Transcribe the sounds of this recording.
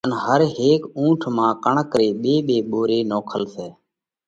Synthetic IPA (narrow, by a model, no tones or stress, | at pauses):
ənɦəɾɦeːkũːʈʰmãːkəɳəkɾeːɓeːɓeːɓoːɾeːnoːkʰəlseː